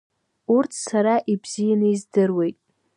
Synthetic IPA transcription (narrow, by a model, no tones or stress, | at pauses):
urtʰsaɾaʔibz̥ijanɨizdɨrwe̞jtʼ